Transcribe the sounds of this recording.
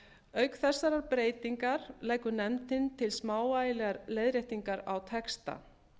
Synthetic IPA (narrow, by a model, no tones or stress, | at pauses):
œɥkθɛsːaɾaɾpɾeːjt̪iŋkaɾlɛːjkʏnɛmt̪ɪnt̪ʰɪlsmaːwajlɛɣaɾlejðɾeht̪iŋkaɾawt̪ʰɛkst̪a̰